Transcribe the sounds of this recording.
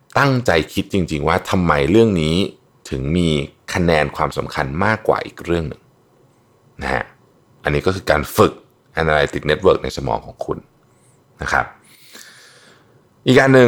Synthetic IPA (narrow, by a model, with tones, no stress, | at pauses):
t̪a˥˩ŋt͡ɕa˧jkʰi˦˥t̪̚t͡ɕi˧ŋt͡ɕi˧ŋwaː˥˩t̪ʰa˧mːa˧jɾɯ˥˩əŋniː˦˥ | t̪ʰɯ˩˦ŋmiː˧kʰa˧nɛː˧nkʰwaː˧msa̰˩˦mkʰa˧nmaː˥˩kːwa̰ː˨˩ʔḭː˨˩k̚ɾɯ˥˩əŋnɯ˨˩ŋ | na̰˦˥ha̰˦˥ | ʔa˧nːiː˦˥kɔː˥˩ɯː˧kaː˧nfɯ˨˩k̚ | ʔa˧nʔaː˧la˧jt̪i˨˩k̚ne˦˥t̪̚wɤː˦˥˩k̚na˧jsa˧mɔ̰ː˩˦ŋkʰɔ̰ː˩˦ŋkʰṵ˧n | na˦˥kʰɾa̰˦˥p̚ | ʔiː˨˩k̚ʔaː˧nːɯ˨˧